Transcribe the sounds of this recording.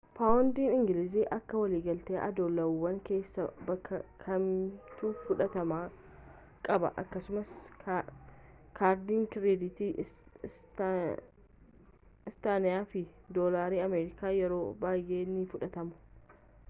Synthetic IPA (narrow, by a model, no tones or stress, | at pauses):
paːwʊnd̪iːnɪŋɡɪlɪziːʔɐkːɐwɐliːɡɐlt̪eːʔɐ̰d̪ɔlːɐwːɐŋke̞ːsːɐbɐkːɐkʰɐmt̪uːfʊᶑɐt̪ɐmaː | kʼɐbɐ̰ʔɐkːɐsʊmɐs | kʰaːɾd̪iːŋkɪɾed̪ɪt̪i | ɪst̪aːnɪjaːfɪd̪oːlaːɾiːɐmeːɾɪkaːjɛɾo̞ːbaːjʔe̞ːnːifʊᶑɐt̪ɐmʊ̥